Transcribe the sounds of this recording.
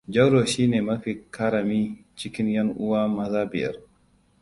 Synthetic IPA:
d͡ʒɐ˦ɽoː˨ʃiː˦neː˨mɐ˦ɸi˨ka˦ɾa˨miː˦t͡ʃɪ˦kʲɪ˦njɐ˦ŋʔʊ˦waː˦mɐ˦zaː˦bɪ˨jɐ̰˦r

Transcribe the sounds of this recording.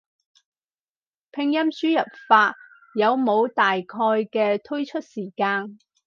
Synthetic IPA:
pʰɪ˧ŋjɐ˥msyː˥jɐ˨p̚faː˧t̚ | jɐ˨˧wmo˨˧wt̪aː˨jkʰɔː˧jkɛː˧t̪ʰɵ˥ɥt͡ʃʰɵ˥t̚siː˨˩kaː˧n

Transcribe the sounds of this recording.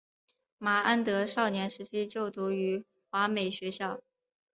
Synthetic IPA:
ma˨˩a˥nt̪ɤ˧˥ʂɑ˥˩ʊnjɛ˧˥nʂɻ̩˧˥t͡ɕʰi˥t͡ɕjo˥˩ʊt̪u˧˥y˧˥ | xwa˧˥me˨˩ɪɕɥɛ˧˥ɕjɑ˥˩ʊ

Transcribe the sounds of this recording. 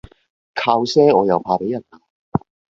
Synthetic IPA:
kʰaː˧wsɛː˥ɔː˨˧jɐ˨˧wpʰaː˧pe˨˥jɐ˨˩naː˧

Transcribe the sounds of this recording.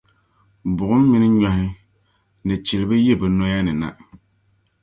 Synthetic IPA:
bʊ˨ʔʊ˦mː˦i˦nɨ˦ɲɔ˨hɪ˦ | nɨ˨t͡ʃi˨lɪ˨bɨ˦je˦˨bɨ˨nɔ˦ja˦nɨ˨na̰˨

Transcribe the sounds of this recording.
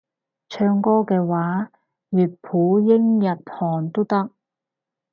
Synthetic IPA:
t͡ʃʰœː˧ŋkɔː˥kɛː˧waː˨˥ | jyː˨t̚pʰuː˨˥jɪ˥ŋjɐ˨t̚hɔː˨˩nt̪o˥t̪ɐ˥k̚

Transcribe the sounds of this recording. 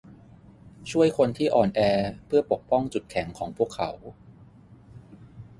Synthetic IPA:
t͡ɕʰu˥˩əjkʰo˧nt̪ʰiː˥˩ʔɔː˨˩nʔɛː˧pʰɯ˥˩ɐpo˨˩k̚pɔ˥˩ŋt͡ɕu˨˩t̪̚kʰɛ˩˦ŋkʰɔː˩˦ŋpʰu˥˩əkʰːa̰˩˦w

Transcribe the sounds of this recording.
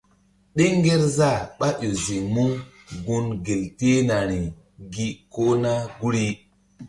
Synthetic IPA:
ɗe˦ŋ˦ɡe˦ɾza˦˨ɓa˦jo˨zi˨ŋmu˦ | ɡu˦nɡe˨lte˦na˨ɾi˨ | ɡi˦ko˦na˦ɡu˦ɾi˦

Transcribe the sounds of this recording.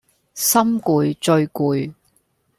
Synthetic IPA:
sɐ˥mkuː˨˧jt͡ʃɵ˧ɥkuː˨˧j

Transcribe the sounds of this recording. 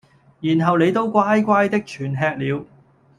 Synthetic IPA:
jiː˨˩nɦɐ˨wne˨˧jt̪o˥wkʷaː˥jkʷaː˥jt̪ɪ˥k̚t͡ʃʰyː˨˩nɦɛː˧k̚liː˨˧w

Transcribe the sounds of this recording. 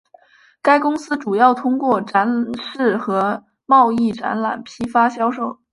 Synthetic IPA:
ka˥ɪkʊ˥ŋsɹ̩˥ʈ͡ʂu˨˩jɑ˥˩ʊt̪ʰʊ˥ŋkwɔ˥˩ʈ͡ʂa˧˥nʂɻ̩˥˩xɤ˧˥ | mɑ˥˧ʊi˥˩ʈ͡ʂa̰˧˥nla̰˨˩npʰi˥fa˥ɕjɑ˥ʊʂo˥˩ʊ

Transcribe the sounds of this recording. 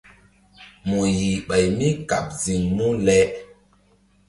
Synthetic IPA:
mu˨ji˨ɓa˨jmi˦ka˨p̚zi˨ŋmu˦lɛ˦

